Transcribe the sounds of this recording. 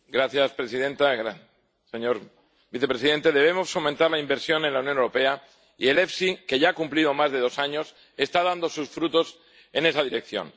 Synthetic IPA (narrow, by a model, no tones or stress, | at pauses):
ɡɾaθjaspɾesiðe̞nt̪aɾa | seɲo̞ɾ | biθe̞pɾe̞siðe̞nt̪e̞ðe̞β̞emo̞sfo̞mẽnt̪aɾlaimbe̞ɾsjo̞nẽ̞nlawnjonewɾope̞a | ie̞le̞fsike̞ʝaakumplið̞o̞mazðe̞ð̞o̞saɲo̞s | e̞st̪aðand̪o̞susfɾut̪o̞s | e̞ne̞sað̞iɾe̞k̚θjo̞̰n